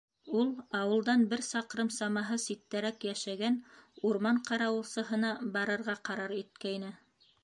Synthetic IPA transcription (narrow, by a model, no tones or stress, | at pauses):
ulˠɑwɤ̆lˠd̪ɑnbɘɾsɑqɾɤmsɑmɑɦɤsit̪ːæɾækjæʃæɡænuɾmɑɴqɑɾɑwɤ̆lˠsɤ̆ɦɤ̆nɑbɑɾɤ̆ɾʁɑqɑɾɑɾit̪̚kæjnɘ